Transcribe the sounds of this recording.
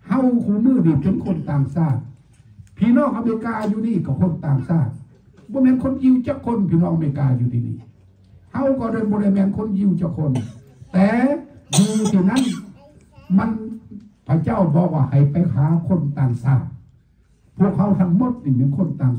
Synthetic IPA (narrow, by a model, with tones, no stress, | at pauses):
ha˧˨wkʰuː˧˦mɯː˧˨niː˧˩pe˨˧˦nkʰo˧˥˨nt̪aː˨˩ŋsaː˧˩t̪̚ | pʰiː˧˦nɔː˧˩˨ŋʔa˧meː˧˥kaː˧juː˧niː˧˩ka˧˩kʰo˧˥˨nt̪aː˨˩ŋsaː˧˩t̪̚ | bɔː˧˦mɛː˧˥˨nkʰo˧˥˨nji˧˨wt͡ɕaː˧˦kʰːo˧˥˨npʰiː˧˨nɔː˧˨ŋʔa˧eː˧kaː˧juː˧t̪ʰiː˧nḭː˧˩ | ha˧˨wkɔː˧˦daː˧˩˨bɔː˧ɾa˧˩jmɛː˧˨nkʰo˧˥˨nji˧wt͡ɕaː˧˩kʰːo˧˥˨n | t̪ɛː˨˧˦juː˧u˧t̪ʰiː˧˩na˧˥˨n | ma˧˥˨npʰa˧˩t͡ɕa˧˥˨wbɔː˧˦kwaː˧˩ha˨˩jpa˧jkʰaː˨˦kʰo˧˥˨nt̪aː˨ŋsaː˧˩t̪̚ | pʰu˧˩ək̚ha˧wt̪ʰa˧˩ŋmo˧˥˦t̪̚niː˧˩me˧˥˨nkʰo˧˥˨nt̪aː˨˩